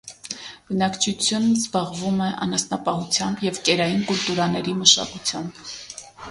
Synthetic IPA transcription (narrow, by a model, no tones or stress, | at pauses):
b̥ənɑkt͡ʃʰut͡sʰjunzbɑʁvumɛʔɑ̰nɑsnɑpɑhut͡sʰjɑmbjɛvkɛɾɑjinkult̪uɾɑnɛɾiməʃɑ̰kut͡sʰjɑmb